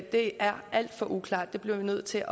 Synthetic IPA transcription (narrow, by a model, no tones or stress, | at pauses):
d̥e̝æɐæl̰d̥fɒ̽ʔukʰlɑ̈ːd̥d̥e̝b̥liɐʋinøð̰ˠt͡sʰe̝ʔɒ